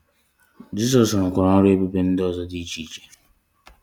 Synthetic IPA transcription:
d͡ʒi˦s̬ɔ˨sŋ̩˨kʷʊ˨ɾa˨˦ɔ˦ɾe˦be˦be˦n̩˦dɪ˦ɔ˦˨zɔ˦di˦t͡ʃi˦˨t͡ʃe̥˨

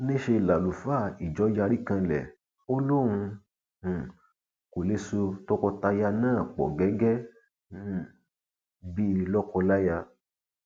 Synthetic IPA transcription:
nẽ˦ʃe˧la˨lu˨fa˦˨i˨d͡ʒɔ˨˦d͡ʒa˧ɾi˦kã˧lɛ̰˨ | o˦lu˦˨ɾ̃ũ˧˨ | ko˨le˧˦so˧tɔ˦kɔ˧ta˧ja˧nãː˦˨k͡pɔ̰˨ɡɛ˨˦ɡɛ˦˨ | bi˦lɔ˦kɔ˧la˦ja˧

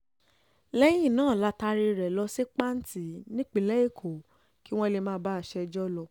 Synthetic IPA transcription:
lɛ˦j̃ĩ˦˨nãː˦˨la˦ta˧ɾi˧ɾɛ˨lɔ˧se˦k͡pa˦n̩˦ti˨˦nĩ˦k͡pĩ˦lɛ˦e˦˨kʰo˨ | ki˨˦w̃ɔ̃˦˧le˧mãː˦ba˦a˧˨ʃɛ˧d͡ʒɔ˦lɔ˧

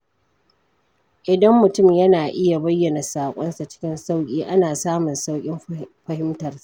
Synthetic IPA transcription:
ʔɪ˨dɐ˦mːʊ˨tʊ˦˨mjɐ˦naː˨ʔɪ˦ja˨bɐ˦jːɐ˨na˨saː˨kʷʼɔ˦nsa˨t͡ʃɪ̥˦kʲɪ˦nsa˦wkʲʼiː˦ʔa˦naː˨saː˦mʊ˨nsa˦wkʲʼɪ˦mɸɐ˦hɪ˦mtɐ˨rsḁ˦ʔ

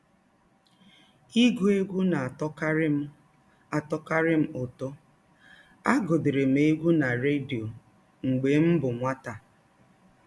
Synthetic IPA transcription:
i˦ɡu˦e˦ɡʷu˦na˨a˨tɔ˦ka˦ɾɪ˦m̩˦ | a˨tɔ˦ka˦ɾɪ˦m̩˦ʊ˨to˦ | a˦ɡʊ˨dɪ˨ɾe˨m̩˨e˦ɡʷu˦na˨ɾe˦di˨o˨ | ŋ͡m̩˨ɡ͡be˨˦m̩˦bʊ˨ŋʷa˦ta˨

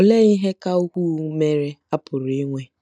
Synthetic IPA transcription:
ɔ˨le˦i˦ɦe˦ka˦u˦kʷu˦˨˦me˦ɾe˦a˦pʊ˨ɾi˦ŋʷe˦

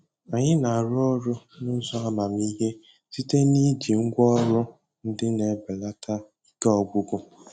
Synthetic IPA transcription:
a˨ɲɪ˦na˨a˨ɾʊ˦ɔ˦ɾʊ˦ | nʊ˦zɔ˦a˦ma˨mi˦ɦe˦ | si˦te˦ni˦d͡ʒi˨ŋ̩˦ɡʷɔ˦ɾʊ˦ | n̩˦dɪ˦ne˨˦bɪ˨la˦tʰa˦ | ka˦ɔ˨ɡ͡bʊ˦ɡʊ˦

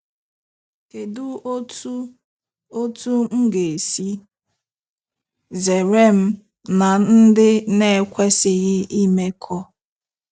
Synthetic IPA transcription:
ke˨dʊ˦ | o˦tu˦ŋ̩˦ɡe˨si˦ | ze˨ɾe˦m̩˦ | na˨n̩˦dɪ˦ne˦˨kʷe˦sɪ˨ɣɪ˦i˦me˦kʰɔ˦

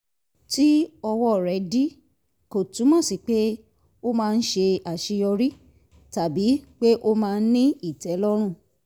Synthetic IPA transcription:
ti˦ɔ˧wɔ˦˨ɾɛ˨˦di˦ | ko˨tũ˨˦mɔ̃˦˨si˨k͡pe˦ | o˦mãː˦˧n̩˦ʃe˧a˨ʃi˧jɔ˧ɾi˦ | ta˨bi˨˦k͡pe˦ʔo˦mãː˧n̩˦nĩ˦i˦˨tɛ˨˦lɔ˦ɾ̃ũ˦˨

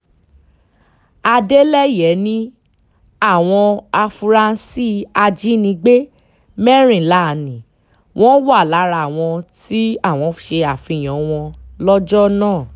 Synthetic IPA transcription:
a˧de˦lɛ˦jɛ˨˦nĩ˦ | a˦˨w̃ɔ̃˧a˧fu˧ɾa˦˧n˦si˦a˧d͡ʒi˦nĩ˧ɡ͡be˦ | mɛ˦ɾ̃ĩ˨la˦˨nĩ˨ | w̃ʔɔ̃˦wa˦˨la˨˦ɾa˧˨w̃ɔ̃˧ti˦a˦˨w̃ɔ̃˧ʃe˧a˨fĩ˨˧˨j̃ɔ̃˨˦w̃ɔ̃˧lɔ˦d͡ʒɔ˦nãː˦˨

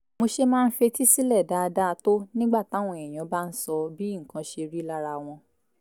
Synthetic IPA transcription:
mo˧ʃe˦mãː˦˧n̩˦fe˧ti˦si˦lɛ˦˨da˨˦˧da˦˧to˦nĩ˦ɡ͡ba˦˨ta˨˦w̃ɔ̃˧˨ɛ˨j̃ɔ̃˨˦ba˦n̩˦sɔ˧bi˦ŋ̩˨kã˧˦ʃe˧ɾi˦la˦ɾa˧w̃ɔ̃˧

